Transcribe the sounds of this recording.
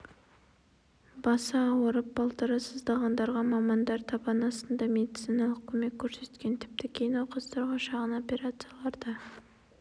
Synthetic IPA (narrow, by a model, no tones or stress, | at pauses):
bɑsɑːwəɾəp̚bɑlˠt̪əɾəsəzd̪ɑʁɑnd̪ɑɾʁɑmɑmɑnd̪ɑɾt̪ʰɑpɑnɑsənd̪ɑme̞d̪it̪sinɑlˠəq̚kʲʰɵme̞kʲʰːɵɾse̞t̪kʲe̞nt̪ʰɪ̥p̚t̪ɪkʲʰe̞jɪnwoqɑst̪ɑɾʁɑʃɑʁəno̞pʲe̞ɾat̪sɨjalˠɑɾd̪ɑ